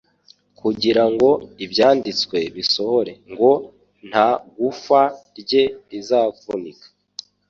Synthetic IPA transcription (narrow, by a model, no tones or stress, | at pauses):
kuɟiɾaŋɡo̞ibjaːndit͡skwe̞βiso̞ho̞ɾe̞ŋɡo̞ | n̥haɡufaɾɟe̞ɾizaːvunikḁ